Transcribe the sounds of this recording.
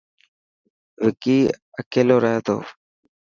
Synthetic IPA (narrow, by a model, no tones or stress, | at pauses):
ʋɪkiː | əkeːloːɾaɦet̪o̰ː